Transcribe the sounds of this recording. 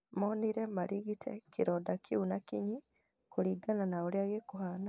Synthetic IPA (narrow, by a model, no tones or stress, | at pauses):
moːniɾemalʔiɣitʰḛkʰiɾɔdakʰiunakiɲi | kuliɡananaoliaɣekuhana